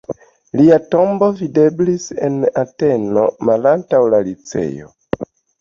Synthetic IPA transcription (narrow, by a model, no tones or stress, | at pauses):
liato̞mbo̞vide̞blise̞nate̞no̞malantawlalit͡se̞̰jo̞̰